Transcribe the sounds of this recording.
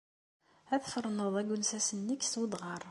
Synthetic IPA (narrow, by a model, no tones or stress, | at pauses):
æðfəɾˤnəðˤæɡʊnsæsənːəkːswəd̪ʁɑɾˤ